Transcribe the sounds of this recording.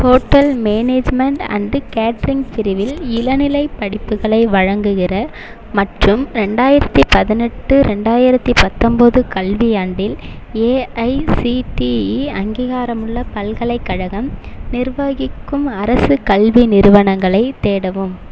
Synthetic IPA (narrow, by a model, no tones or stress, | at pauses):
poːʈːɐlmeːneːd͡ʒmɛɳʈɐ̰ndkaːʈɾɪŋɡt̪ɪɾɪʋɪlɪlɐnɪlɐɪpːɐɽɪpːɯɣɐɭɐɪʋɐɻɐŋɡɯɣɪrɐ | mɐʈrɯmɾɛɳɖaːjɪɾɐt̪ːipɐðɪnɛʈːɯɾɛɳɖaːjɪɾɐt̪ːipɐt̪ːɔmbɐðɯkɐlʋiɐɳɖɪleːɐɪsiʈiiɐŋɡiːɣaːɾɐmɯɭːɐpɐlɣɐɭɐɪkːɐɻɐɣɐmnɪɾʋaːɣɪkːɯmɐɾɐsɯkɐlʋinɪɾɯʋɐɳɐŋɡɐɭɐɪt̪eːɽɐʋɯm